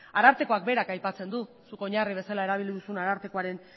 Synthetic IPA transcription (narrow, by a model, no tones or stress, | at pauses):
aɾaɾt̪eko̞ak̚be̞ɾakajpat͡se̞nd̪u | suko̞ɲariβ̞e̞salae̞ɾaβ̞iliðusunaɾaɾt̪ekoaɾe̞n